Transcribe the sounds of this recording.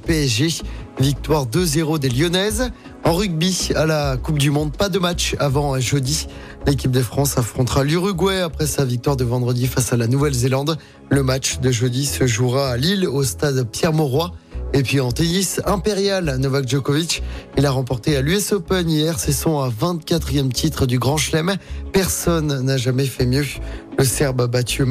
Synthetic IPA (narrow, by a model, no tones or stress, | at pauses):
peɛʒevik̚t̪waʁd̪əzeʁod̪eljɔnɛz | ɑ̃ʁyɡ̚bialakup̚d̪ymɔ̃d̪̚pad̪əmat͡ʃavɑ̃ʒød̪i | lek̬ʲip̚d̪əfχɑ̃safχɔ̃t̪χalyʁyɡwɛapχɛsavik̚t̪waʁd̪əvɑ̃d̪ʁəd̪ifasalanuvɛlzelɑ̃d̪ | ləmat͡ʃd̪əʒød̪isəʒuʁaːlilost̪ad̪pjɛʁmɔʁwaepɥiɑ̃t̪enisɛ̃peʁjalnɔvakʒɔkovit͡ʃilaʁɑ̃pɔʁt̪ealyɛsɔpɛnijɛʁsesɔ̃ɛvɛ̃t̪kʲat̪χijɛmt̪it̪χəd̪yɡʁɑ̃ʃlɛmpɛʁsɔnːaʒamɛfɛmjøləsɛʁbabat̪y